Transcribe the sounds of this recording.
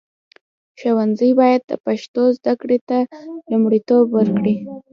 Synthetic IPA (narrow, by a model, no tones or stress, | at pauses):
ʃawanzəjbɑjad̪̚d̪ə̰paʃt̪ozd̪akɽet̪alumɽit̪obwəɾkɽi